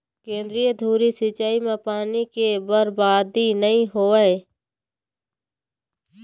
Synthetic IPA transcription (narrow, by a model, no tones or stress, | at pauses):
kẽːnd̪ɾijəd̪ʱuːɾisɪt͡ʃaːimẽpaːnikebəɾbaːd̪inəɦĩɦoːəe